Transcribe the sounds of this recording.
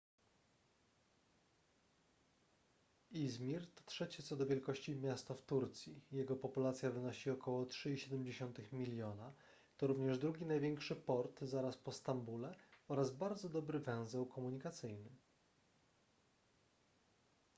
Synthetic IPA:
izmʲiɾt̪ɔ̥t̪ʂɛt͡ɕɛt̪sɔd̪ɔvʲjɛlkɔɕt͡ɕimʲjast̪aft̪uɾt̪sʲjijɛɡɔpɔpulat̪sʲjavɘnɔɕiɔkɔwɔtʂɘiɕɛd̪ɛmd͡ʑeɕɔnt̪ɘxmʲilʲjɔna | t̪ɔɾuvɲɛʐd̪ɾuɡʲinajvʲjɛŋkʂɘpɔɾt̪zaɾaspɔst̪ambulɛɔɾazbaɾd̪zɔd̪ɔbɾɘvɛ̃w̃zɛwkʰɔmuɲikat̪sɘjnɘ

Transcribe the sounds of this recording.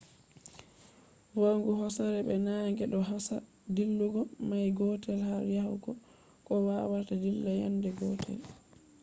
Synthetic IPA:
waŋɡuɦɔsaɾɛɓɛnaŋɡɛɗɔɦasa̰ | dilːuɡɔmajɡɔtɛlhaɾjahuɡɔ | kɔwawaɾtadilːaja̰ndɛɡɔtʰɛ̰l

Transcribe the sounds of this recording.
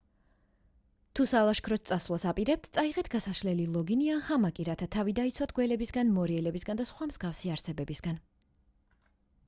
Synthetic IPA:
t̪ʰusalˠaʃkʰɾɔt̪̚sʼasvlˠasapʼiɾɛp̚t̪ʰt̪sʼaiʁɛt̪ʰɡ̥asaʃlɛlilˠɔɡiniahamakʼiɾat̪ʰat̪ʰavid̪ait̪sʰwat̪̚ʰɡwɛlɛbisɡanmɔɾiɛlɛbisɡand̪asχwamz̥ɡafsiaɾsɛbɛbisɡan

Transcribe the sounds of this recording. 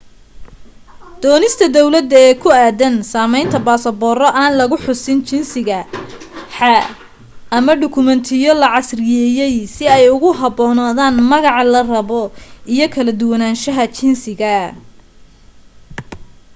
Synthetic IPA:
d̪̥ɔːnɪst̪ʰɐd̪ɔwlɐd̪ɐɛːkʰʊaːðɐnsaːmɛjnt̪ʰɐbaːsɐbɔːrɔʔaːnlɐɣʊħʊsɪnt͡ʃɪnsɪɣɐ | ħɑ | ɐmɐɖʊkʰʊmɛnt̪ʰɪjɔlɐʕɑsrɪjɛːjɛjsɪɛjʊɣʊɦɑbɔːnaːðaːnmɐɣɑʕlɐrɐβɔʔijɞkʰɐlɐd̪ʊwɐnaːnʃɐɦɐt͡ʃɪnsɪɣɐ

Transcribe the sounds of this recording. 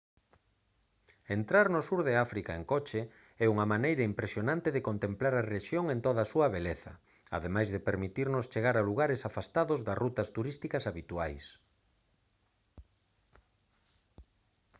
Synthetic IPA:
ent̪ɾaɾnʊsuɾðeafɾikaeŋkɔt͡ʃe | ɛuŋɐmanejɾɐimpɾesjonãnt̪eðekont̪emplaɾareʃjoŋent̪oðɐsuɐβeleθɐ̰ | a̰ðemajzðepeɾmit̪iɾnʊst͡ʃeɣaɾaluɣaɾesafast̪aðʊzðɐsrut̪ɐst̪uɾist̪ikɐsaβit̪uajs

